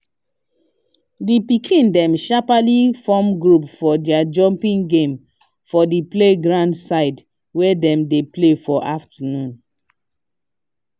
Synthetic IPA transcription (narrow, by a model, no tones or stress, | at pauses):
dipikʰĩndɛ̃mʃapalifɔmɡɹupfɔdiad͡ʒɔ̃mpĩŋɡẽm | fɔdipleɡɹãndsaɪd | wɛdɛ̃mdeplefɔʔaftənũn